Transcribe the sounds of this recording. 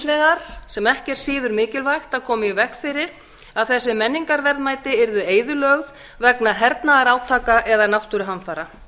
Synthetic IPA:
nɛɣaɾ̥sɛmɛhcɛɾ̥sɪːðʏɾmɪːcɪlvajxt̪akʰɔːmɪjɛvɛxfɪɾɪɾ | aðθɛsːɪmɛnːiŋkaɾvɛɾðmaːjt̪ɪɛɾðʏeːjðʏlœɣð | vɛknaɦɛɾt̪naɣaɾaːwt̪ʰaːkaʔɛðanawht̪ʏɾɪɦanfaːɾa

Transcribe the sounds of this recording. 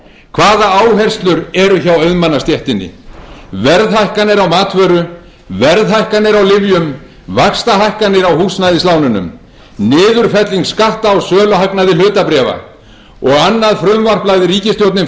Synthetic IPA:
kʰvaːðaaːwɦɛr̥st̪lʏɾɛɾʏçawœɥðmanːast̪jɛht̪ɪnːɪ̰vɛɾðhajhkanɛɾawmaːt̪vœːɾʏ | vɛɾðɦajhkanːɪɾawlɪvjʏm | vakst̪aɦajhkanɪɾawhuːsnajðɪslaːwnʏnʏ̰m | nɪːðʏɾ̥fɛt̪liŋkskaht̪aawsœːlʏɦaknaðɪlʏːt̪apɾɛːva̰ | ɔɣanːaðfɾʏmvar̥plajðɪɾiːcɪst̪jowt̪nɪm

